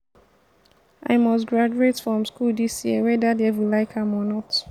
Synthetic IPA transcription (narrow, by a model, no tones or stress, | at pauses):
ʔa̰ɪmɔstɡɹad͡ʒuetfɹɔ̃mskuldisjiəwɛdadewilaɪkʰãmɔnɔt